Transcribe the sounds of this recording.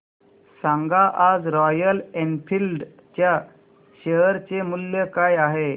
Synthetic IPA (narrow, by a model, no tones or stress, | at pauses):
sãŋɡaʔad͡zɾɔjəlenfʰilɖ | t͡ɕja | ɕeɦəɾt͡semulːjəkajaɦe